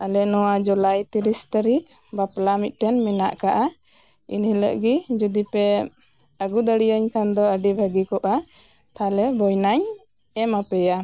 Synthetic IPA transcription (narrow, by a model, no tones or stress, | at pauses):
alɛnɔwad͡ʒɔlajt̪iɾist̪aɾik̚baplamit̪̚ˀʈɛnmɛna̰ʔkaʔa | ḭnhiləʔɡid͡ʒud̪ipɛ | əɡud̪əɽijəɲkand̪ɔəɖibʱəɡikɔʔa | t̪ʰalɛbɔjnaɲ | ɛmapɛja